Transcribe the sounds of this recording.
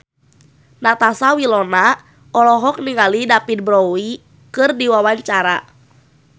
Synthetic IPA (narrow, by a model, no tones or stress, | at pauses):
nat̪asawilɔna | ɔlɔɦɔk̚niŋalidapit̪̚bɾɔwi | kɨrdiwawaɲt͡ʃaɾa